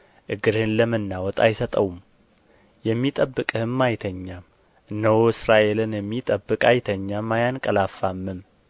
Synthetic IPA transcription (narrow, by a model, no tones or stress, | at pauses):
ʔɨɡɨɾhɨnləmɨnːawɔt̪ʼa̰jsət̪ʼəwum | jɛmːit̪ʼəbːɨkʼɨhɨmːajt̪ʰəɲːam | nːəwoɨsɾaʔe̞lɨnjɛmːit̪ʼəbːɨkʼajt̪ʰəɲːamːajankʼəlafːamːɨm